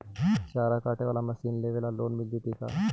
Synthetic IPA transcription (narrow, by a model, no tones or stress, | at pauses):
ʃaːɾakaːʈeʋaːlamɐsiːnleʋeːlaloːnmɪld̪it̪ika̰ː